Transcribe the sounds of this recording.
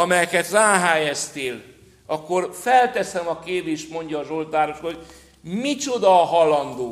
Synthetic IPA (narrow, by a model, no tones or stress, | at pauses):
ɒmɛjɛkɛt̪raːɦaːjɛst̪eːl | ɒkːo̞rfɛlt̪ɛsɛmɒkeːveːʃmo̞ɲɟɒːzo̞lt̪aːɾoʃoo | mit͡ʃo̞d̪ɒɦɒlɒnd̪oː